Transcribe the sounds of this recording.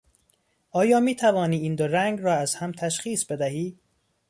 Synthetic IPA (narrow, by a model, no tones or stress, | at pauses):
ʔɒːjɒːmiːt̪ʰævɒːniːind̪oɾæŋɡɾɒːæzhæmt̪ʰæʃχiːsbe̞d̪æɦiː